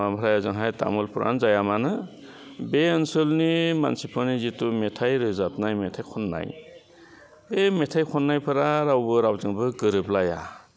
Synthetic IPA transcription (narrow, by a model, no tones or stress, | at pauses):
ampʰɾajazɯŋɦajta̰mulpʰuɾʔa̰nzajamanɯ | beɯnsɯlnima̰nsipʰɔnizitumetʰajɾɯzap̚najmetʰajkʰɔnːa̰j | emetʰajkʰɔnːajpʰɯɾaɾawbɯɾawzɯŋbɯɡɯɾɯplaja̰